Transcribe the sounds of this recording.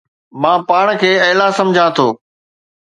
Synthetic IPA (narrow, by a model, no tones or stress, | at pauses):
mãːpaːɽ̃kʰeːɐːlasɐ̃md͡ʑʱãt̪ʰoː